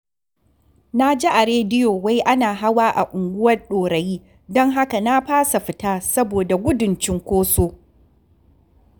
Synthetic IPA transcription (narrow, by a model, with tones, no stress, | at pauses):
na˦d͡ʒi˦ʔa˨ɾeː˦dɪ˦joː˨wa˦jʔa˦naː˨ɦa˦waː˦ʔa̰˨ʔʊ˨ŋɡʷʊ˦wɐ˦rɗoː˨ɽɐ˨jiː˦ | dɔ˦ŋɦa˦ka˨na˦ɸaː˦sa˨ɸɪ˨taː˦sɐ˦boː˨da˨ɡʷʊ˦dʊ˨nt͡ʃɪ˦ŋkʷoː˦soː˦